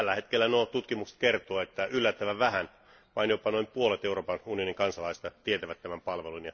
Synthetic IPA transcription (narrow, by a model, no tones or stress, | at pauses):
ælːæhet̪kelːænoːt̪ut̪kimukse̥t̪kert̪oːet̪ːæʔylːæt̪ːæʋæʋæhæn | ʋɑinjopɑnoimpuolet̪euroːpɑnunioniŋkɑnsɑlɑist̪ɑt̪iet̪æʋæt̪tːæmæmpɑlʋelunjɑ